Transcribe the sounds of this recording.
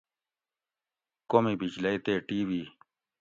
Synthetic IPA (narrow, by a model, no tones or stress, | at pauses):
komibid͡ʑlɐit̪eːʈiːwiː